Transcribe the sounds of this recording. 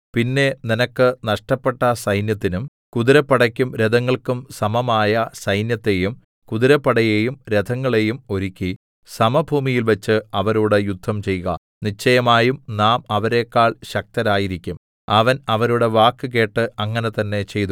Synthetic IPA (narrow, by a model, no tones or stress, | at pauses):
pinːe̞ninɐkːɨnɐʂʈɐpːe̞ʈːɐsɐjnjɐt̪ːinum | kuðiɾɐpːɐɽɐkʲːumɾed̪ɐŋːɐɭkumsɐmɐmaːjɐsɐjnjɐt̪ːe̞jum | kuðiɾɐpːɐɽɐjejumɾe̞d̪ʱɐŋːɐɭe̞jumo̞ɾukʲːi | sɐmɐbʱuːmijilʋɐt͡ɕːɨɐʋɐɾuːɽe̞jud̪ʱːɐmt͡ɕe̞jɣɐ̰ | nit͡ɕːɐjɐmaːjumnaːmɐʋɐɾe̞ːkːaːɭɕɐk̚t̪ɐɾaːjiɾikʲːum | ɐʋɐnɐʋɐɾuɽe̞ʋaːkːɨk̬e̞ːʈːɨɐŋːɐne̞t̪ɐnːe̞t͡ɕe̞jt̪u